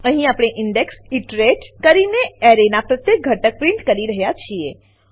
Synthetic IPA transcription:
əɦĩapɽ̃eʔɪɳɖeksiʈɾeʈkəɾineɛɾenapɾət̪jek̚ɡʱəʈək̚pɾɪ̃ɳʈkəɾiɾəɦjat͡ʃʰie

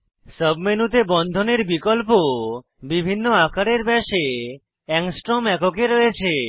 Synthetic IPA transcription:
səbmenut̪ebɔnd̪ʱɔneɾbikɔlpo | bibʱinːoakaɾeɾbɛʃe | ɛŋsʈɾomɛkokeɾɔɦet͡ʃʰe

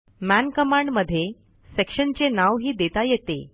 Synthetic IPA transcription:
mænkəmaɳɖməd̪ʱːje | sekʂənt͡ɕenaʋɦiːd̪et̪ajet̪e

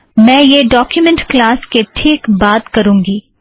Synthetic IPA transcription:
mɛ̃ːjeɖɔːkjumɛ̃ɳʈklaːskeʈʰiːkbaːt̪kɐɾũːŋɡiː

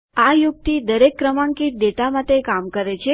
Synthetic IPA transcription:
ajuk̚t̪ʰid̪əɾekːɾəmãŋkiʈ̚ɖ̪eʈamaʈ̪ekamkəɾet͡ʃʰe

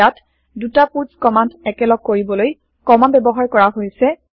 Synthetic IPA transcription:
at | dutapuɹskɔmandɛkɛlɔɡ̚kːoɹibɔloj | kɔmanbɛbɔɦaɹkɔɹaɦojsɛ

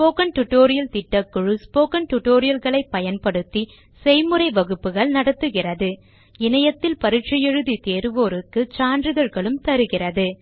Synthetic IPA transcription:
spoːkɐnʈʊʈːoːɾɪjɐlt̪ɪʈːɐkːɯɻɯspoːkɐnʈʊʈːoːɾɪjɐlɣɐɭɐɪpːɐjɐnpɐɽɯt̪ːi | sɛjmɯrɐɪʋɐɣɯpːɯɣɐɭnɐɽɐt̪ːɯɣɪrɐðɯ | ɪnɐjɐt̪ːɪlpɐɾɯʈ̚t͡ʃɐjɛɻɯðit̪eːɾɯʋoːɾɯkːɯt͡ʃaːndrɯðɐɾɣɐɭɯmt̪ɐɾɯɣɪrɐðɯ

